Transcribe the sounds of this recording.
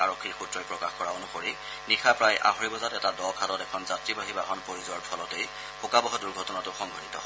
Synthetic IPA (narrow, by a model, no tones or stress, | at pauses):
aɹokʰːiɹxutɹɔjpɹɔkaxkɔɹaonuxoɹi | nixʰapɹajʔa̰ɦoɹibɔzatɛtadɔkʰatɔtɛkʰɔnzatɹibaɦibaɦɔnpoɹizʊwaɹpʰɔlɔtej | xʊkabɔɦɔduɹɡʱɔtɔnatʊxɔŋɡʱɔnitɔ